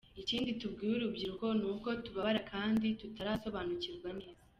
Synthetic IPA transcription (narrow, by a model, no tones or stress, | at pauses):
iciːnditubɡiːwuɾubɟiɾuko̞nuːko̞tuβaβaɾakʰaːnditutaɾaːso̞βanuciɾɡwaneːz